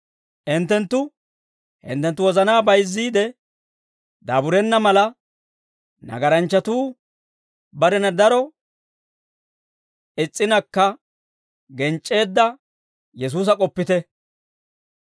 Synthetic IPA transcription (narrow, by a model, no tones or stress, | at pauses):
ʔɪnt̪ːɛnt̪ːʊ | hɪ̰nt̪ːɛnt̪ːʊwɔzɐnaːbɐjzːiːd̪ɛ | d̪aːbʊɾɛnːɐmɐlɐ | nɐ̰ɡɐɾɐnt͡ʃːɐt̪uː | bɐɾɛnɐd̪ɐɾɔ | ɪt͡sʼːɪnɐkːɐ | ɡɛnt͡ʃʼːe̞ːd̪ːɐ | jɛs̬uːs̬ɐkʼɔpːɪt̪ɛ